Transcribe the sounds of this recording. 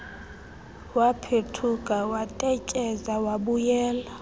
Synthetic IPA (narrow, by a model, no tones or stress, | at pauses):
wapʰetʰukʼawatʼɛcʼɛzawaɓujɛːla